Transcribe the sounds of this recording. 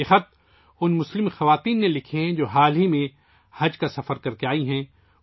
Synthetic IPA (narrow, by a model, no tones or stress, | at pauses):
exɐt̪̚ | ʊnmʊslɪmxɐʋaːt̪iːnːelɪkʰẽd͡ʒoːɦaːlɦimẽ | hɐd͡ʒkasɐfəɾkɐɾkeaːiɦɛ̃